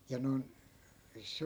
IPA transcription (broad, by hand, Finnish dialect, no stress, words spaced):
jɑ non se